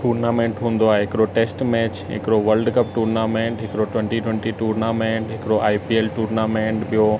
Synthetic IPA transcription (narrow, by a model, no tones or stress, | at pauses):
ʈuːɾnaːmẽːɳʈɦũːn̆d̪oaːɦeɦɪkɪɾoʈeːsʈmɛːt͡ɕɦɪ̰kɪɾoʋəɾlɖkəp̚ʈuːɾnaːmẽːɳʈɦɪkɪɾoʈwɛ̃ɳʈiʈwɛ̃ɳʈiʈuːɾnaːmẽːɳʈɦɪkɾoʔaːipieːlʈuːɾnaːmẽːɳʈɓijo